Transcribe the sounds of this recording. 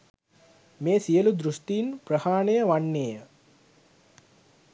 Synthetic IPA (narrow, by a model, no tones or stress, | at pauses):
meːsijəlud̪ɾusʈ̪ijinprəhaːɳejəʋanːeːə